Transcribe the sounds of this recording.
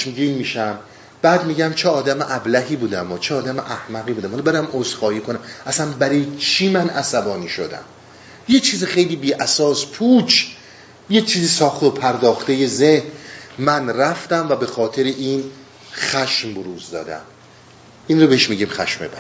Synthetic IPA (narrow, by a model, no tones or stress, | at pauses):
ʃmɡiːnmiːʃæm | b̥æːd̪miːɟæmt͡ʃʰeɒːd̪æmeʔæblæɦiːbuːd̪æmɒːt͡ʃʰeɒːd̪æmeʔæhmæɣiːbuːd̪æmhɒlɒbed̪æmʔozxɒːjiːkʰonæmæsænbæɾijet͡ʃʰiːmænʔæsæbɒːniːʃo̰d̪æ̰m | jet͡ʃʰiːziχejliːbiːʔæsɒːspʰuːt͡ʃʰ | jet͡ʃʰiːziːsɒːxt̪eopʰæɾd̪ɒːxt̪eje̞zehnmænræft̪æmvæbe̞xɒːt̪ʰeɾeʔiːn | χæʃmboɾuːzd̪ɒ̰ːd̪æ̰m | ʔiːnɾobeeʃmiɟiːmxæ̰ʃmḛbæ